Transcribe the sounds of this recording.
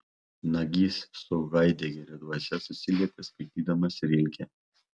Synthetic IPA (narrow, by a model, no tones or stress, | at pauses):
nɐɡʲiːsːɔʊɡɐɪd̪ʲeɡʲɛɾʲɛd̪uɔsʲɛsʊsʲɪlʲiɛt̪ʲɛskɐɪt̪ʲiːd̪ɐmɐsɾʲɪlʲkʲɛ